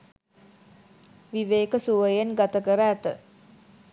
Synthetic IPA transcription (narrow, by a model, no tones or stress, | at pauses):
ʋiʋeːkəsuʋəjenɡat̪əkəɾəæt̪ə